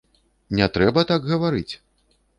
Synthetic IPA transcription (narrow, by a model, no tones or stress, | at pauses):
nʲɛt̪ɾɛbɐt̪aɡɣɐvaɾɨt͡sʲ